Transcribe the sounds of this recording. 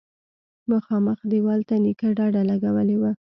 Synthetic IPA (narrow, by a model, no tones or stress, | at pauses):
məxɑməxd̪ewɑlt̪anikaɖɑɖalaɡawəlewa